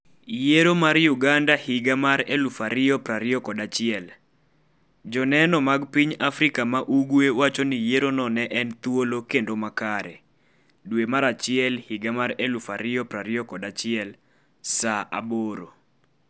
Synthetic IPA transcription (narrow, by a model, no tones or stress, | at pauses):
jeɾomaɾjuɡandahɪɡamaɾelufaɾɪjɔpɾaɾɪɔkɔdat͡ʃɪɛl | d͡ʒɔnɛnɔmaɡpiɲafɾikamaʔuɡwewat͡ʃonɪjeɾonɔnɛʔɛnt̪wolokendomakaɾɛ̰ | dwemaɾat͡ʃɪɛlhɪɡamaɾelufaɾɪɔpɾaɾɪɔkɔdat͡ʃɪɛl | saʔa̰boɾo̰